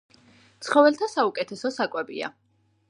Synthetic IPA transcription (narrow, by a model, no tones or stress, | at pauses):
t̪sʰχɔvɛlt̪ʰasaukʼɛt̪ʰɛsɔsakʼwɛbḭa̰